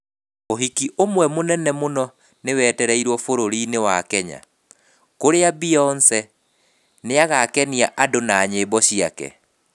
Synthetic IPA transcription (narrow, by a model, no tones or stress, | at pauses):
oɦikiʔomwɛmonɛnɛmonɔ | newɛːtɛɾɛiɾwɔfoɾoɾinewakɛɲa̰ | koɾeabiɔnsɛ | neaɣakɛniaʔadonaːɲebɔɕiakɛ̰